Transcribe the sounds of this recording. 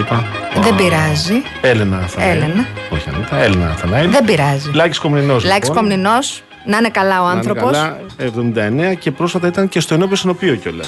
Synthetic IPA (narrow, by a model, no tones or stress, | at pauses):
ipɐðe̞mbiɾɐzi | e̞lenɐɐθɐelenɐoçiɐ̰nipɐelenɐ̰ɐ̰θɐnɐiðe̞biɾɐzilɐci̥sko̞mnino̞slɐciskomnino̞s | nɐinekɐlɐo̞ɐnθɾo̞po̞lsɐevðo̞mind̪ɐene̞ɐce̞pɾo̞sfɐt̪ɐit̪ɐnce̞st̪o̞eno̞piosino̞pioco̞lɐ̰s